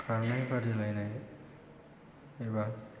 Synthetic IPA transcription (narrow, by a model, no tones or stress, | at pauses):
kʰaɹnajpadilajnaj | ejba